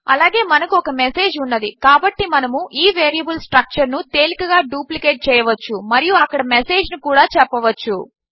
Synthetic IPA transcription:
ɐ̰laːɡe̞ːmɐnɐkuɔkɐmese̞ːd͡ʒunːɐd̪ikaːbɐʈːimɐnɐmuʔiːʋeːɾijɐbɐlsʈɾɐk̚t͡ʃɐɾnut̪e̞ːlikɐɡaːɖuːplikeːʈ̚t͡ʃɛːjɐʋɐt͡ʃːumɐɾijuɐkːɐɽɐmese̞ːd͡ʒnukuːɽaːt͡ʃɛpːɐʋɐt͡ʃːu

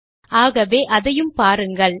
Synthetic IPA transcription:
ʔaːɣɐʋeːʔɐðɐjɯmpaːɾɯŋɡɐɭ

